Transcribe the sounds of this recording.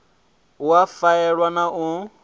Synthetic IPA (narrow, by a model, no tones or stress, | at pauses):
ʊafaɛɺwanaʔʊ